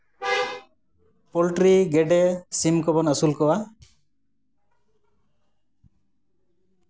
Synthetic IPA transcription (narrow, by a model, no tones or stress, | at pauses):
pɔlʈɾiɡɛɖɛsimkɔbɔnasulkɔwa